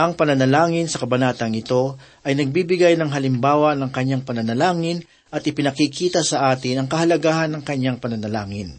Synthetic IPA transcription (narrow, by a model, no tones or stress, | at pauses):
ʔɐŋpɐnɐnɐlaːŋɪnsɐkɐbɐnaːt̪ɐŋɪt̪o̞ʔɐjnɐɡ̚bibɪɡajnɐŋɦɐlɪmbaːwɐnɐŋkɐɲaŋpɐnɐnɐlaːŋɪn | ʔɐt̪̚ʔɪpɪnɐkikʰiːt̪ɐsɐʔaːt̪ɪnɐŋkɐhɐlɐɡaːhɐnːɐŋkɐɲːaŋpɐnɐnɐlaːŋɪn